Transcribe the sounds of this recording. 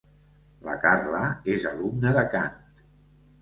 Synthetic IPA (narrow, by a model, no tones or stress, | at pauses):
la̰karlaezəlumnəðəkant̪